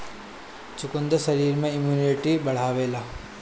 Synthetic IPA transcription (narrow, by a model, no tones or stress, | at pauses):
t͡ʃukund̪ɐsɐɾiːɾmẽimjuːniʈibɐɽ̤aːʋeːla